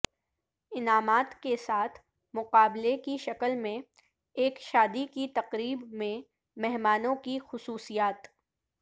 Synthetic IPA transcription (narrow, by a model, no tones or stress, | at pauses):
ɪnaːmaːt̪kesaːt̪ʰ | mʊqaːblekiʃɐkəlmẽ | eːkʃaːd̪ikit̪ɐqɾiːbmẽ | mɛɦmaːnõkixʊsuːsijaːt̪